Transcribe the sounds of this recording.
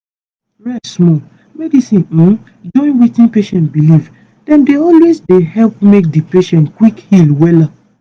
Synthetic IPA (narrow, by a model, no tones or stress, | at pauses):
ɹɛsmɔ | mɛdisĩn̩ | d͡ʒɔ̃ɪ̃nwitĩnpeʃɛ̃ntbiliv | d̥ɛ̃ndeɔlwezdehɛlpmek̚dipeʃɛ̃ntkwikhilwɛla